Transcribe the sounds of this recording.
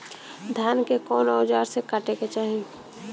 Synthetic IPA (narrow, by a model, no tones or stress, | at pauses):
d̪ʱjaːnkekɔːnaːd͡ʒaːɾsekaʈeket͡ʃaːɦĩ